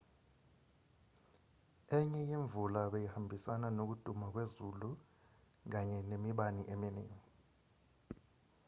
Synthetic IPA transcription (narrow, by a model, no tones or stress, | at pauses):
ɛɲɛjiɱvulaɓejihambʱisananok̬ud̥ʱumak̬wezulu | k̬aɲɛnemiɓaniʔeminɛ̰ːŋi